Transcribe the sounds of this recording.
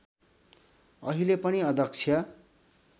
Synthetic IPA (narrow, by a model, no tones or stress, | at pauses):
ʌɦilepʌniʌd̪ʱʌk̚t͡sʰjʌ